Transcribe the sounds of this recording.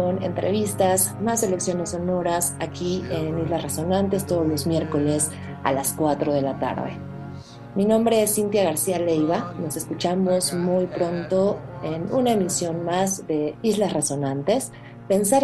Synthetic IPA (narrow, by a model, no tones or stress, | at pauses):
one̞̰nt̪ɾe̞̰β̞ist̪as | mase̞leksjo̞ne̞so̞no̞ɾasakʰienizlasreso̞nãnt̪e̞st̪o̞ðozlo̞zmje̞ɾko̞le̞s | a̰laskwat̪ɾo̞ðe̞lat̪a̰ɾðḛ | minõmbɾe̞esint̪jaɣ̞aɾsiale̞jβano̞se̞skut͡ʃamo̞zmujpɾo̞nt̪o̞enunaemisjo̞nmazðe̞izlasre̞so̞nãnt̪e̞s | pe̞nsaɾ